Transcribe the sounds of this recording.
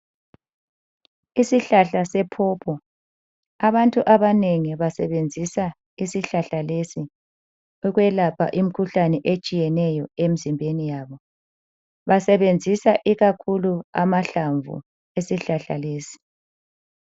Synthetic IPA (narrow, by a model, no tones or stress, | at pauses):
isiɬaɬasɛpʰɔːpʰɔ | aβantʼuʔaβaneŋiβasɛβend͡zʱisa | isiɬaɬalesi | uɣwɛlapʰa̰ʔim̩kʰuɬanɛʔet͡ʃʼijɛnɛjɔemizimbʱenijaːβɔ | βasɛβend͡zʱisaʔiɣakʰulua̰maɬaɱvṵ | esiɬaɬa̰leːsi̥